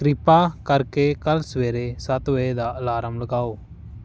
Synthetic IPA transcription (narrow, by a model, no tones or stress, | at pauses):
kɾɪpaːkəɾkekəlsʋeːɾeːsət̪ʋəed̪aːlaːɾəmləɡaːoː